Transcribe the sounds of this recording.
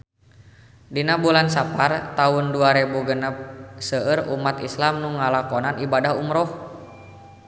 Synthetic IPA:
dinabulansapart̪aunduaɾɛbuɡənap̚səəɾṵmat̪islamnuŋalakɔnanibadaɦumɾɔh

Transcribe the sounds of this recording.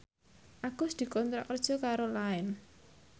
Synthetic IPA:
ʔaɡ̥ʊ̤sd̪̥i̤kɔnt̪ɾa̰ʔkərd̥ʒ̥ɔ̤kaɾolaɛn

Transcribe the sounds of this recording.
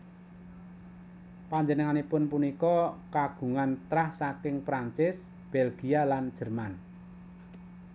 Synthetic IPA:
paɲd͡ʒənəŋanepʊnpunikɔkaɡ̥ṳŋant̪ɾahsakɪŋpɾaɲt͡ʃɪs | b̥ɛlɡ̥i̤aland̥ʒ̥ərman

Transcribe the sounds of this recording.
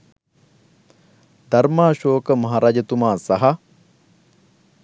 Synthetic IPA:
d̪ɐɾmaːʃoːkəmɐɦaːɾaːd͡ʒɐt̪umaːsɐɦɐ

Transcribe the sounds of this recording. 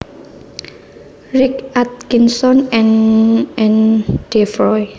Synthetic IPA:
ɹɪkat̪̚kinsɔnɛ̃nɛ̃nd̥efɹɔj

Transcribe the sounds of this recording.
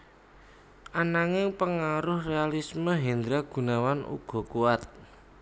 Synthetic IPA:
anaŋɪŋpəŋaɾʊhrealisməɦind̪ɾaɡ̥ṳnawanṵɡ̥ɔ̤kuwat̪̚

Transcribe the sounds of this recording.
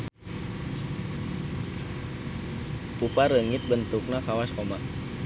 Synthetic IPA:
pupaɾəŋit̪̚bənt̪uk̚nakawaskomaʔ

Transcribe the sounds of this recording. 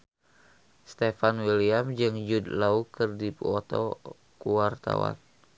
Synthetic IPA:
st̪efanwiliamd͡ʒɨŋd͡ʒudlaukɨrdipɔt̪ɔ̰ | kuwart̪a̰wa̰n

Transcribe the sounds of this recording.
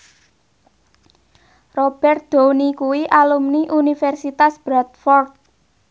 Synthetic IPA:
rob̥ɛrt̪̚d̪̥onikuwiʔalumniʔunifɛrsit̪asb̥ɾat̪̚fɔrt̪̚

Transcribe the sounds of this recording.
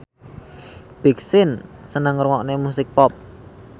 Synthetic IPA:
b̥i̤ksɪnsənəŋrŋɔʔnemusɪk̚pɔp̚

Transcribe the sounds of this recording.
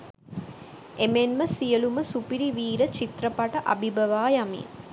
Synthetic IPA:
emenməsijəluməsupiɾiʋiːɾət͡ʃit̪ɾəpaʈəʔa̰bʱibəʋaːjamḭ

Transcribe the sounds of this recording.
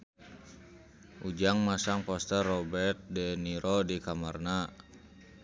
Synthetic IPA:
ʔud͡ʒaŋmasaŋpɔst̪ɛrːɔbɛrt̪̚dɛniɾɔdikamarna

